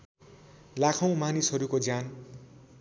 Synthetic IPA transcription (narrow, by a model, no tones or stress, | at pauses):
lakʰʌw̃manisɦʌɾukod͡zan